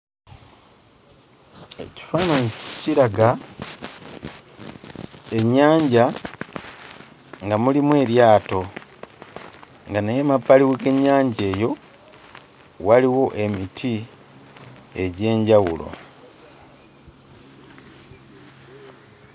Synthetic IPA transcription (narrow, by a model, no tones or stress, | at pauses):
e̞̰ci̥fanociɾaɡa | e̞ɲːaːɲɟa | ŋɡamulimwe̞ːɾjaːto̞ | ŋɡanajemapːaliweɡe̞ɲːaːɲɟe̞ːjo̞ | waliwo̞ʔe̞mitʰi | e̞ɟe̞ːɲɟawulo̞̰